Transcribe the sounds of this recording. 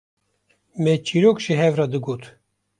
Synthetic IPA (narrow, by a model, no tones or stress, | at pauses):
mɛt͡ʃʰiɾoːkʃiɦɛvrɑd̪ɨɡot̪ʰ